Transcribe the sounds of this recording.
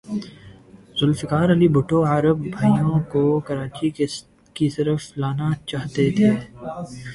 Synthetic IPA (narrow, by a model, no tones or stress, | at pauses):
zʊlfɪkaːɾɐlibʊʈoaːɾəbbʱɐijõkokɐɾaːt͡ʃi | kisɐɾəflaːnat͡ʃaːɦt̪et̪ʰeː